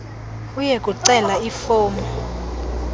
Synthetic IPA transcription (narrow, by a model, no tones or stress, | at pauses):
ujekʼuǀɛlaifoːmɛ